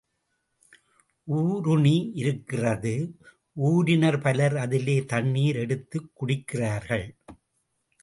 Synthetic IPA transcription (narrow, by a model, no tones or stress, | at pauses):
ʔuːɾʊɳiʔɪɾɯkːɪrɐðɯ | uːɾɪnɐɾpɐlɐɾɐðɪleːt̪ɐɳːiːɾɛɽɯt̪ːɯkːʊɽɪkːɪraːɾɣɐɭ